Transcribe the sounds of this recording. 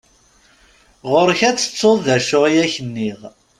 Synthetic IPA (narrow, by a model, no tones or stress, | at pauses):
ʁoɾçæt͡sːə̥t͡sːoððæʃːʊʁijæçənːiʁ